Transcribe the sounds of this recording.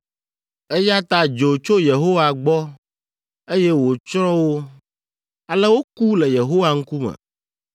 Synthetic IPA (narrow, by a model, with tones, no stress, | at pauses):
e˦ja˦t̪a˦d͡ʒo˨t͡ʃo˦je˨ɦo˦wa˨ɡ͡bɔ˦ | e˦jɛ˦wo˨t͡ʃɾɔ̃˦wo˦ | a˨lɛ˦wo˦ku˦lɛ˨je˨ɦo˦wa˦ŋ̩˦ku˦mɛ̰̃˨